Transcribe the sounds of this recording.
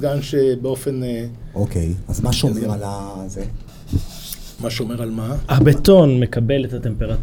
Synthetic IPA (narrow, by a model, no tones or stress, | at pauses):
ɡanʃebeo̞feneʔokejazmaʃomeʁalaze | maʃeomeʁalmahabet̪onme̞kabe̞let̪hat̪e̞mpe̞ʁat